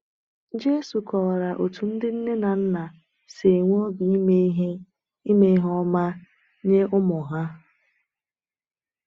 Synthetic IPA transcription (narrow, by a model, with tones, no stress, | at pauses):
d͡ʒe˦su˨kɔ˨ɾa˨ʔo˨tʰu˨n̩˦dɪ˦n̩˦ne˦na˨n̩˦na˨ | se˨ŋʷ˦o˦bi˨i˦me˦i˦ɦe˦ | i˦me˦ɦɔ˦ma˦ | ɲe˦ʔʊ˦mʊ˨ɦa˦